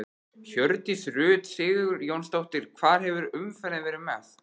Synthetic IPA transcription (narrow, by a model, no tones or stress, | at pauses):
çœɾt̪isrʏːt̪sɪːɣʏɾjownst̪owht̪ɪɾ̥kʰvaːɾ̥ɦɛvʏɾʏmfɛlɪðvɛːɾʏmɛθ